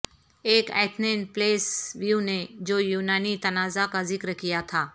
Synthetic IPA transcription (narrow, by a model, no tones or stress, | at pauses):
eːkɛ̰ːt̪ʰnenpleːsʋjuned͡ʒoːjuːnaːnit̪ɐnaːzakazɪkɾkijat̪ʰaː